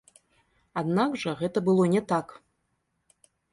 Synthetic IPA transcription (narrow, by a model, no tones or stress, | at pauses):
ad̪naɡʐɐɣɛt̪ɐbɨlˠɔnʲɛt̪ak